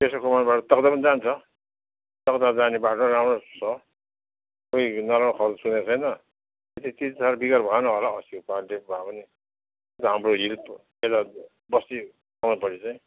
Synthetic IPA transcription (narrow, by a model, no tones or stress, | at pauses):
pesokʰʌmanbaʈʌt̪ʌkd̪apʌnid͡zant͡sʰʌ | t̪ʌkd̪ad͡zanebaʈʌramrosʌ | koinaɾãkʰʌrd͡zsunet͡sʰʌjnʌ | et̪it̪it͡sʰaɾbiɡarbʱʌanʌɦolaʌsikopanʈebʱapʌni | et̪aɦamroɦilp | et̪a | bʌst̪i | kʌmnpʌɾit͡saj̃